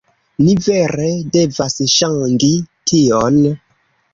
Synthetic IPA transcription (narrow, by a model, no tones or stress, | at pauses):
niveɾedevasʃaŋɡitʰion